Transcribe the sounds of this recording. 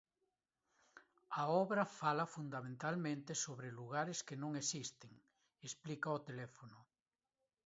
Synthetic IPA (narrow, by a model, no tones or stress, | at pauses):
ɐɔβɾɐfalɐfund̪amẽnt̪almẽnt̪ɪsoβɾeluɣ̞aɾeskenõŋesist̪eŋ | esplikɐot̪elɛfonʊ